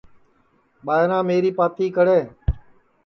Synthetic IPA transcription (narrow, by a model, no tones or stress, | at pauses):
ɓaːjɾãːmeːɾiːpaːt̪ʰiːkəɽeː